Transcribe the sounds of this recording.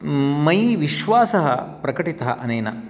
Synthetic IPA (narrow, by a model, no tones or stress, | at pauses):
mɐjʋiʃʋaːsɐɦɐ̰pɾɐkɐʈit̪ɐɦɐ̰ʔɐnɐjnɐ̰